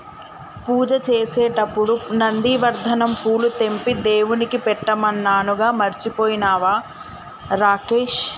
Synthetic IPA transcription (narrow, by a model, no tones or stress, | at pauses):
puːd͡ʒɐt͡ʃeːsɛːʈɐpːuɽunɐnd̪iːʋɐɾd̪ʱɐnɐmpuːlut̪e̞mpid̪e̞ːwunikipɛʈːɐmɐnːaːnuɡaːmɐɾt͡ʃipoːjinaːʋaː | ɾaːkeːʃ